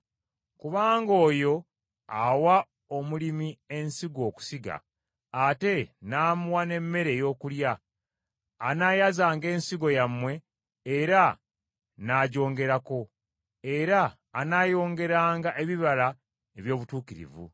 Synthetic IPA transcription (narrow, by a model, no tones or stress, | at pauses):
kuβaːŋɡo̞ːjo̞ | awa | omulimie̞nsiɡo̞ːku̥siɡa̰ː | te̞naːmuwane̞mːe̞ɾe̞jo̞ːkuljaː | najazaːŋɡe̞ːnsiɡo̞jamːwe̞ː | ɾa | naːɟo̞ːŋɡe̞ɾako̞ | e̞ɾaː | naːjo̞ːŋɡe̞ɾaːŋɡaʔe̞βiβala | eβjo̞ːβutuːkiɾḭvṵ